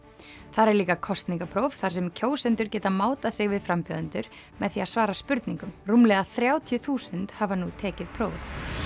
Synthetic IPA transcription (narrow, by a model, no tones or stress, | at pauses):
θaɾɛɾliːkakʰɔst̪niŋkapʰɾowvθaɾ̥sɛmcʰoːwsɛnt̪ʏɾ̥cɛːt̪amaːwt̪asɪɣvɪðfɾampjʏðʏnt̪ʏɾ | mɛðθiaðsvaːɾaspʏɾt̪niŋkʏmrumlɛðaθɾjaːwt̪ʰjʏθuːsʏnt̪havanut̪ʰɛːcɪð̥pʰɾoːwvʏ̰̥